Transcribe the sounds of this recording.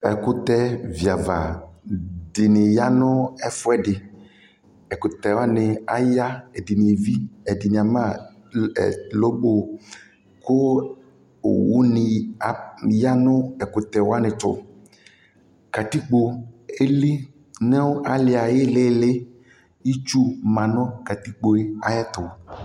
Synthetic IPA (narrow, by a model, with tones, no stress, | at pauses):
ɛ̰˨kʊ˦t̪ɛ˦vi˨a˨va̰˨ | dɪ˨nɪ˨ja˦nʊ̃˦ɛ˦fʊ˦ɛ˦dɪ˨ | ɛ˨kʊ˨t̪ɛ˨wa˦nɪ̃˨a˨ja˦ɛ˨di˨nĩ˨e˨vi˦ɛ˨di˨nĩ˨a˨mã̰˦˨ | lo˦ɡ͡bo˦ | kʊ˦ | o̰˨wṵ˦nɪ˨ | ja˦nʊ̃˦ɛ˨kʊ˨t̪ɛ˨wo˦a˦nɪ̃˨tʊ̰˨ | ka˨t̪i˦k͡po˨e˦li˦ | ne˦wo˦ʔa˨lɪ˨a˨jɪ˦le˦lɪ˦ | ji˦t͡ʃu˦mã˨nʊ̃˦ka˨t̪i˦k͡po˨e˦a˦jɛ˦t̪ʊ˨